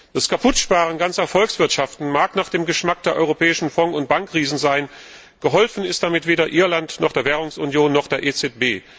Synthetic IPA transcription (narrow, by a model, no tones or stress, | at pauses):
d̥askʰapʰʊtʃpaːʁ̞ənɡansɐfɔlksv̥ɪɐtʃaftn̩maːknaːχd̥eːmɡəʃmak̚d̥eːɐʔɔʏʁopɛːɪʃn̩fɔŋʊnt̚b̥aŋkʁ̥iːzn̩zaɪn | ɡ̥əɦɔlfn̩ɪst̚d̥amɪtv̥eːdɐʔɪɐlantnɔχd̥eːɐvɛːʁʊŋsʊnjoːnːɔχd̥eːɐʔet͡sɛt̚b̥eː